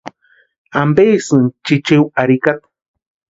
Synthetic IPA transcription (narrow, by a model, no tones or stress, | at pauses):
ambeːsɨnt͡ʃit͡ʃiwaɾikat̪̚